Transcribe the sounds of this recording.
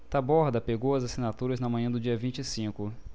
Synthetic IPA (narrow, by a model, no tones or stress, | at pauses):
t̪abɔɾd̪ɐpeɡowɐzasinat̪uɾɐznɐmɐ̃ɲ̃ɐ̃d̪ʊd͡ʒiɐvĩnt͡ʃisĩkʊ